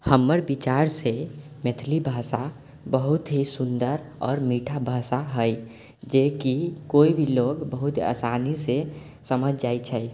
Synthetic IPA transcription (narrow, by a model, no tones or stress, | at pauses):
həmːəɾbit͡ʃaɾse | met̪ʰlibʱasa | bəɦut̪ɦisund̪əɾɔːɾmiʈʰabʱasaɦəj | d͡ʒekikoibʱiloɡbəɦut̪ə̰sanise | səməd͡ʒd͡ʒajt͡ʃʰəj